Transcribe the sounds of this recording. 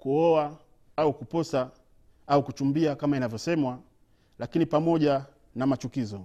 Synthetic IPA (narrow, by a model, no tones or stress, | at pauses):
kuɔa | aukupɔsa | aukut͡ʃumbiakamainavjɔsɛmwa | lakinipamɔʄa | namat͡ʃukizɔ